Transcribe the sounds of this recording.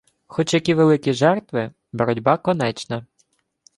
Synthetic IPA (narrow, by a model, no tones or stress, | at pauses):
xɔt͡ʃjɐkʲiʋelˠɪkʲiʒɛrt̪ʋɪ | bɔɾɔdʲbakɔnɛt͡ʃnɐ